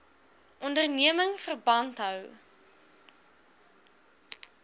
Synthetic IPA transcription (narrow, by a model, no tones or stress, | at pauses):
ʔɔndərniəməŋfərbɐntɦœw